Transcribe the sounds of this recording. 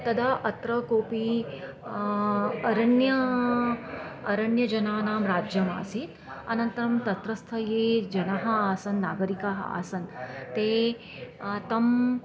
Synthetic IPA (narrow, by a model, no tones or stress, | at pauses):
t̪ɐd̪aːʔɐt̪ɾɐkoːpi | ɐɾɐɳjɐ | ɐɾɐɳjɐd͡ʒɐnaːnaːmɾaːd͡ʒjɐma̰ːsit̪ | ɐnɐnt̪ɐɾɐmt̪ɐt̪ɾɐst̪ʰɐjeːd͡ʒɐnɐɦɐaːsɐnːaːɡɐɾikaːɦɐ̰a̰ːsɐnt̪eː | t̪ɐm